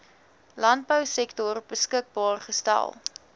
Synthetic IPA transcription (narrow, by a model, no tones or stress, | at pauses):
lɐnt̚bəwsɛktɔrbəskək̚bɑːrχəstæ̰lˠ